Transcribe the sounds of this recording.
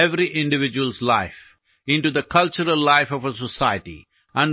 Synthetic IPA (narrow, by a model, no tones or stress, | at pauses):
ɛʋɾiʔɪ̃ɳɖɪʋɪd͡ʒuwəlzlaɪf | ɪ̃ɳʈud̪əkʰʌlt͡ʃəɾəlːaɪfɔvəs̬əsaɪəʈḭ | ʔə̃ɳ